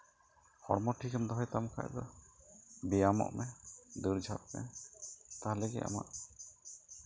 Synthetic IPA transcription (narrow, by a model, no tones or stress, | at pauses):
hɔɽmɔʈʰikʰəmd̪ɔɦɔjt̪amkʰa̰ʔd̪ɔ | bijamɔ̰ʔmɛd̪uɾd͡ʒʱap̚mɛ̰ | t̪aɦaleɡɛ̰ʔa̰ma̰ʔ